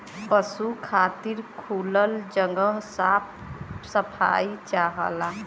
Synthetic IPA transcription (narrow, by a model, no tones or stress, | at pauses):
pəsukʰaːt̪iɾkʰuːləld͡ʒəŋɡəɦsaːp̚ʰ | səpʰa̰it͡ʃaɦə̰la